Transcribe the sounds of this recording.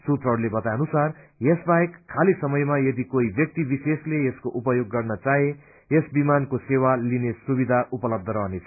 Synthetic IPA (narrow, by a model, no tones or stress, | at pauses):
sut̪rʌɦɽulebʌt̪aʌnusarjesbaekʰːalisʌmʌjmajʌd̪ikoibjʌk̚t̪ibisesleeskoʔupʌjoɡːʌrnʌt͡saɦe | esbimankosewalinesubid̪ʱaʔupʌlʌb̚d̪ʱʌɾʌɦnet͡sʰʌ̥